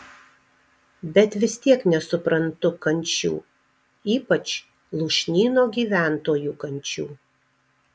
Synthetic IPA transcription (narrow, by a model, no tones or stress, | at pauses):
bʲɛt̪ʋʲɪst̪ʲiɛknʲɛsʊpɾɐnt̪ʊkɐnʲt͡ʃʲṵː | iːpɐt͡ʃ | lˠuːʃʲnʲiːnoːɡʲiːʋʲæˑnt̪oːjuːkɐnʲˑt͡ʃʲuː